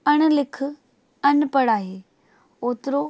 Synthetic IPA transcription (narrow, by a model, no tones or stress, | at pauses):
ɐɽ̃̆lɪkʰʊ̆ | ɐnpɐɽaːɦeː | oːt̪ɪɾo